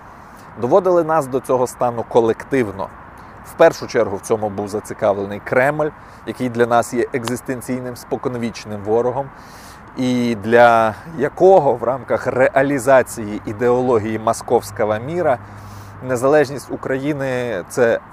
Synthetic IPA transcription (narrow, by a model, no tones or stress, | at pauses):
d̪ɔʋɔd̪ɪlˠɪnɑsd̪ɔt͡sʲɔɦɔst̪ɑnʊkɔlˠekt̪ɪwnɔ̰ | wpɛrʃʊt͡ʃɛrɦʊwt͡sʲɔmʊbuwzɐt͡sʲikɑʋlˠenɪjkɾɛmlʲ | jɐkɪjd̪lʲɐnɑsjɛʔeɡzɪst̪enʲt͡sʲijnɪmspɔkɔnɔʋʲit͡ʃnɪmʋɔɾɔɦɔm | id̪lʲɐjɐkɔɦɔʋrʔɑmkɐxreʔɐlʲizɑt͡sʲijiʔid̪eɔlˠɔɦʲijimɐskɔwsʲkɐɦɐmʲiɾɐ | ne̞zɐlˠɛʒnʲisʲtʲʊkɾɐjinɪt̪sɛ